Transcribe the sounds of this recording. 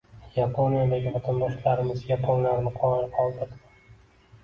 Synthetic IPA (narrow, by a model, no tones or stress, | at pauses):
japʰonijad̪aɡʲɪvat̪ʰand̪ɒʃlaɾɪmɪzjʲapʰoŋlaɾnɪqʰɒnallɪpʰɒlˠd̪ɪɾd̪ɪ